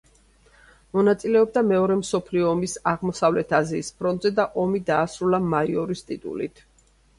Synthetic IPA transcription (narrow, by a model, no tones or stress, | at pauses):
mɔnat̪sʼilɛɔb̚d̪amɛɔɾɛmsɔpʰliɔːmisaʁmɔsavlɛt̪ʰaziːspʰɾɔnt̪ʼzɛd̪aʔɔmid̪aːsɾulamaiɔɾist̪ʼit̪ʼṵlḭt̪ʰ